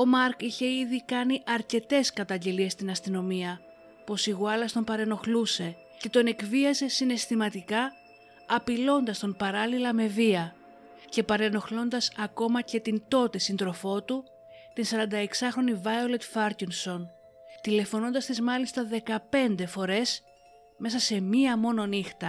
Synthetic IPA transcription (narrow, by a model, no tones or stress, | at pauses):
o̞mɐɾkiçe̞iðikɐniʔɐɾce̞t̪e̞skɐt̪ɐɲɟe̞lie̞st̪inɐst̪ino̞miɐ | po̞siɣuɐlɐst̪o̞mpɐɾe̞no̞xluse̞ | ce̞t̪o̞ne̞kviɐze̞sine̞st̪imɐt̪ikɐː | pilo̞nd̪ɐst̪o̞npɐɾɐlilɐme̞viɐ | ce̞pɐɾe̞no̞xlo̞nd̪ɐsɐko̞mɐce̞t̪int̪o̞t̪e̞sind̪ɾo̞fo̞t̪u | t̪insɐɾɐnd̪ɐe̞ksɐxɾo̞nivɐjolet̪fɐɾcinso̞n | t̪ile̞fo̞no̞nd̪ɐst̪izmɐlist̪ɐðe̞kɐpe̞nd̪e̞fo̞ɾe̞s | me̞sɐse̞miɐmo̞no̞nixt̪ɐ